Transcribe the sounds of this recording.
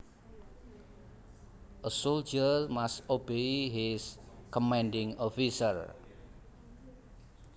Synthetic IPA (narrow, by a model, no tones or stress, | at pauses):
ʔəsold͡ʒərmastobeɦiskɔmɛ̃ndɪ̃ŋɔfisər